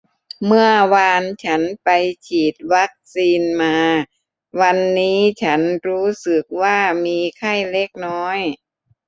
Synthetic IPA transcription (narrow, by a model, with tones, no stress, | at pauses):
mɯ˥˩əwaː˧nt͡ɕʰa˦˥npa˧jt͡ɕʰiː˨˩t̪̚wa˦˥k̚siː˧nmaː˧ | wa˧nːiː˦˥t͡ɕʰa˦˥nɾuː˦˥sɯ˨˩k̚waː˥˩miː˧kʰa˥˩jle˦˥˩k̚nɔː˦˥j